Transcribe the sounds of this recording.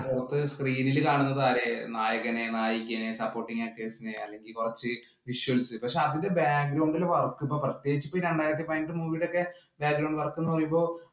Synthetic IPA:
korɐt̪ːɨskriːnilkaːɳunːɐðaːɾenaːjɐɣɐne̞naːjikʲːɐne̞sɐpːo̞ːrʈːiŋaːk̚ʈiʋɐsineɐ̰lːe̞ŋɡilkurɐt͡ɕːɨ | ʋiʂuʋɐlsɨpɐkʂe̞ɐðindebjaːɡɾɐwuɳɖileʋɐrɐkːumbo̞ːprɐt̪jeːɡit͡ɕːɨ̥pːoiɾeɳɖaːjɾɐt̪̬ːipojnɖɨmuːʋiɽo̞kːe̞ | bjaːɡɾɐwɳɖʋɐrɐkːunːupɐrɐjumbo̞ː

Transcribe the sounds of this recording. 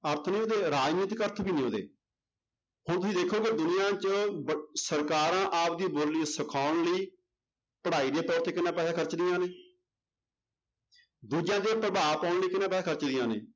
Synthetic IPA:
əɾt̪ʰnĩːɦoːd̪eːɾaːd͡ʒniːt̪kəɾt̪ʰbiːnĩːɦõːd̪ḛː | hʊñt̪ʊsĩːd̪eːkʰoːɡeːd̪ʊnɪjãːt͡ʃəsəɾkaːɾãːʔaːpd̪iːboːlːiːsəkʰaːʊɳliː | pəɽaːiːd̪eːt̪ɔːɾt̪eːkɪnãːpɛːsaːkʰəɾt͡ʃd̪ijãːneː | d̪uːd͡ʒãːd̪eːpɾəbaːpaːʊɳliːkɪnãːpɛːaːkʰəɾt͡ʃd̪ijãːnḛː

